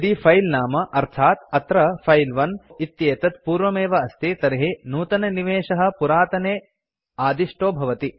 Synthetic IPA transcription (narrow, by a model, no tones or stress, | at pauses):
d̪ifʰɐjlnaːmɐʔɐɾt̪ʰaːt̪ɐt̪ɾɐfʰɐjlʋɐnit̪jeːt̪ɐt̪̚puːɾʋɐmeːʋɐɐst̪ʰit̪ɐɾiɦinuːt̪ɐnɐniʋeːʃɐɦɐ̆puɾaːt̪ɐneː | aːd̪iʂʈoːbʱɐʋɐt̪i